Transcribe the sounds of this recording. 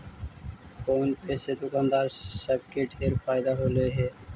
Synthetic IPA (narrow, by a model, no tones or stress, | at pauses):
kownpesed̪ukand̪aɾsəb̚keʈeɾfajd̪aɦoleɦe